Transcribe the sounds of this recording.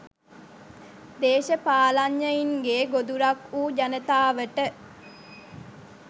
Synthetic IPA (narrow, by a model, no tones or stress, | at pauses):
d̪eːʃəpaːlaɲːəiŋɡeːɡod̪uɾakuːd͡ʒanət̪aːʋəʈə